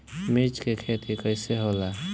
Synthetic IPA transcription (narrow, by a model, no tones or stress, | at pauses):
met͡ʃkekʰeːt̪ʰikəɪseɦola